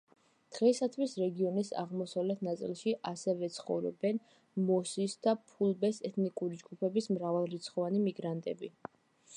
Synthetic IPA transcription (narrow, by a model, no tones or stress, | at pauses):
d̪̥ʁɛisat̪ʰwisɾɛɡiɔnisa̰ʁmɔsavlɛt̪ʰnat̪sʼḭlˠʃiʔasɛvɛt̪sʰχɔ̰vɾɔ̰bɛn | mɔsisd̪apʰulˠbɛsɛt̪ʰnikʼuɾid͡ʒɡupʰɛbismɾavalˠɾit̪sʰχɔvanimiɡɾant̪ʼɛ̰bi